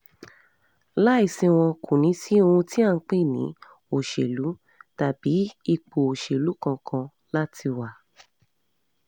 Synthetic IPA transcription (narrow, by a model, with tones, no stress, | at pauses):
la˦i˦˨sĩ˧w̃ɔ̃˧kũ˨nĩ˨˦si˦o˧ũ˧ti˦a˦˧˨k͡pe˦˨nḭ̃˨˦ | o˨ʃe˨lu˨˦ | ta˨bi˨˦i˧k͡po˨o˨ʃe˨lu˨˦kã˧kʰã˧ | la˦tʰi˧wa˨